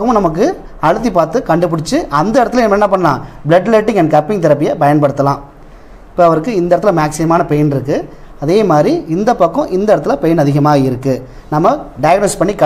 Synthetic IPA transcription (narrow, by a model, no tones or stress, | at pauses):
kːɐʊ̃nɐmɐk̬ːɯ | ɐɻɯt̪ːipaːɾt̪ɯkɐɳɖɯp̬ɪɽɪt͡ʃːɯʔɐnd̪ɐɪɽɐt̪ːɯlɛnɐmɛnːɐp̬ɐɳːɐlã̰ːbɭɛɖleʈːɪ̃ŋɛnkɐpːɪŋt̪ɪɾɐpːɪjɐpɐjɐnpɐɽɯt̪ːɐlãː | ɪpːoːɐʋɐɾɯkːɯɪnd̪ɐɾɐt̪ːɪlmaːksɪmaːnɐpɛjɐnɪɾɯkːɯ | ɐðeːmaːd̪ɾiɪnd̪ɐpːɐkːɔ̃ʔɪnd̪ɐɪɽɐt̪ːɪlɐpɛjɐnɐðɪɣɐmaːɣɐɪɾɯkːɯ | nɐmːɐɖɐjɐɡnoːspɐɳːikːɐ